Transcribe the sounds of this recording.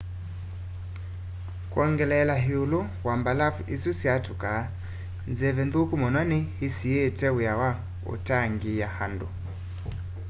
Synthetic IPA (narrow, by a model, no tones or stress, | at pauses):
kwɔŋɡɛlɛlaɦiulɔ | wambalavisusiatuka | nzɛvɛndukumɔnanihisiɛtɛujawa | ṵtaŋɡijahandu